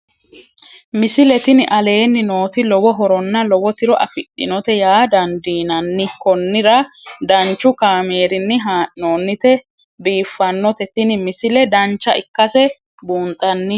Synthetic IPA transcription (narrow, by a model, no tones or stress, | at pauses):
mɪsɪlɛt̪ɪnɪʔɐle̞ːnːɪno̞ːt̪ɪlɔwɔɦɔɾɔnːɐlɔwɔt̪ɪɾɔʔɐ̰fɪɗːɪ̰nɔt̪ɛjaːd̪ɐnd̪iːnɐnːɪkɔnːɪɾɐd̪ɐnt͡ʃːʊkaːme̞ːɾɪnːɪɦanoːnːɪt̪ɛ | biːfːɐnːɔt̪ɛt̪ɪnɪmɪsɪlɛd̪ɐnt͡ʃːɐʔɪkːɐsɛ | buːnt̪ʼːɐnːɪ